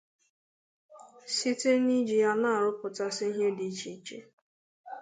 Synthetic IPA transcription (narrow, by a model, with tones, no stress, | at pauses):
si˦te˦ni˦d͡ʒi˨ja˦na˦a˨ɾʊ˦pʊ˨ta˦sɪ˦ɦe˦di˨˦t͡ʃi˨t͡ʃḛ˦